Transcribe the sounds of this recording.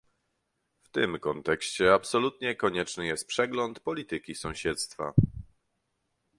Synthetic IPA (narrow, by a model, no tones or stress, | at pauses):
ft̪ɘmkɔnt̪ɛkɕt͡ɕɛapsɔlut̪ɲɛkɔɲɛt͡ʂnɘjɛst̪̚pʂɛɡlɔnt̪pɔlʲit̪ɘkʲisɔ̃w̃ɕɛt̪st̪fa̰